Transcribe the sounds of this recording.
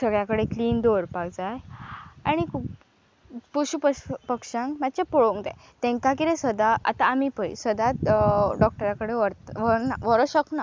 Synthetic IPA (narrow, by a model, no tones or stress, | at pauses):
səɡɭjakəɽekliːnd̪oɾpaɡd͡zajaɽ̃ikʰuːp | puɕupəpəkʂãŋkmat̪ːt͡ɕapoɭoŋd̪ɛ̃ | t̪ẽŋkakiɾẽsəd̪aʔa̰t̪aːmipəj̰səd̪aɖɔk̚ʈəɾakəɽeʋəɾt̪ʋəɾnaʋəɾəɕəkna